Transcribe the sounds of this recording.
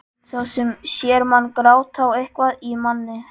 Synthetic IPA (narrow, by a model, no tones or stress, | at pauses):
θawsɛmsjɛɾmanːkɾaːwt̪ʰawejhkvaðimanːɪ